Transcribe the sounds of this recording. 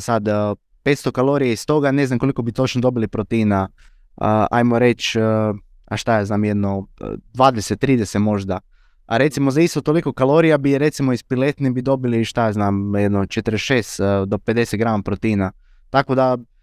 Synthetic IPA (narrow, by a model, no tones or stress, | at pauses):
sad̪ | peːt̪st̪o̞kalˠoɾijaist̪o̞ɡane̞znamko̞liko̞bit̪o̞t͡ʃnod̪o̞bilipɾot̪iːna | əa̰jmoɾet͡ʃ | aʃt̪ajaznaːmjed̪no̰d̪ʋaːd̪leset̪ːɾiːd̪eset̪mo̞ʒd̪a | a̰ɾe̞t̪simozaist̪ot̪oliko̞kalˠo̞ɾijabiɾet̪simoispilet̪nibid̪o̞biliʃt̪ajaznaːmjed̪not͡ʃet̪əɾeʃeːst̪d̪o̞ped̪e̞set̪ɡɾamapɾot̪ina | t̪akod̪a